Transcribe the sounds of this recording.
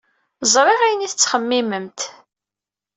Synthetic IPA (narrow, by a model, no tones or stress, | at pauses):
zˤɾˤeʁæjəniθət͡sːχəmːiməmt̪